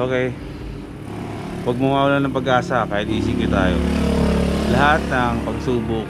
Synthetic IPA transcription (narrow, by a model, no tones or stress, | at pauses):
ʔoːkɛj | wɐɡ̚mɐmaːʔulanɐŋpɐɡʔaːsɐpaːhɪd̪̚iːsɪkɪt̪aːjo̰ | lɐɦat̪̚nɐŋpɐɡ̚suːbʊk